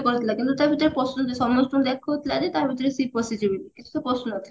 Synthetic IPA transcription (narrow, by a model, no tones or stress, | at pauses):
kɔɾet̪ʰilakint̪ut̪aɾbʱit̪ɔɾepɾɔsnot̪esɔmːosʈond̪ɛkʰːoɦot̪ʰilad͡ʑet̪aɾbʱit̪ɔɾesipɔsiʈibitikĩnt̪u̥t̪apɾɔsnoɔt̪ʰi̥